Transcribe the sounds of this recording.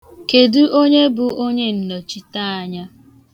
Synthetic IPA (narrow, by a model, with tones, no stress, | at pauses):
ke˨du˦ʔo˦ɲe˦bʊ˨ʔo˦ɲe˦n̩˨nɔ˨t͡ʃi˦ta˦a˨ɲa˦